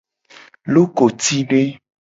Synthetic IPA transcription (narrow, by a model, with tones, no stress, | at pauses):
lo˦ko˨t̪i˦ɖe˦